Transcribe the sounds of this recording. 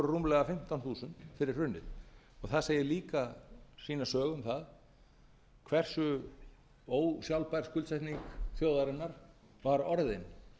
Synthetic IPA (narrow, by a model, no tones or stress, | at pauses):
ɾʏruːmlɛɣafɪm̥t̪awnθuːsʏnt̪fɪɾɪɾ̥r̥ʏnːɪð | ɔɣθaðseːjɪliːkasiːnasœːɣʏmθað | kʰvɛr̥sʏ | oːwsjawlpajɾ̥skʏlsaht̪niŋkθjoːwðaɾɪnːaɾ | vaɾɔɾðɪn